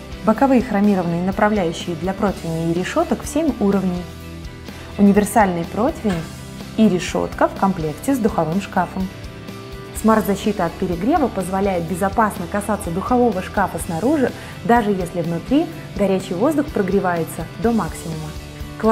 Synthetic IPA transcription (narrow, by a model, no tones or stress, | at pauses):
bəkɐvɨjxɾɐmʲiɾəvənɨjənəpɾɐvlʲæjʉɕːɪjəd̪lʲɐpɾo̞t̪ʲvʲɪnʲɪːɾʲɪʂo̞t̪əkfsʲemʲuɾəvnʲɪmʲ | ʊnʲɪvʲɪrsalʲnɨjpɾo̞tʲvʲɪnʲ | iɾʲɪʂo̞̰t̪kəfkɐmplʲe̞ktʲɪzd̪ʊxɐvɨmʂkafəm | smart̪zɐɕːit̪ɨɐt̪̚pʲɪɾʲɪɡɾʲe̞vəpəzvɐlʲæjɪt̪̚bʲɪzɐpasnəkɐsat̪sːəd̪ʊxɐvo̞vəʂkafəsnaɾuʐɨ | d̪aʐɨjesʲlʲɪvnʊt̪ɾʲi | ɡɐɾʲæt͡ɕɪjvo̞zd̪ʊxpɾəɡɾʲɪvajɪt̪səd̪o̞maksʲɪmʊmə | k̪ˠ